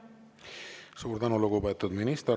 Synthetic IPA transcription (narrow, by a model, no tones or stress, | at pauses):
suːɾd̪ɑnulukobet̪ːˑud̪minist̪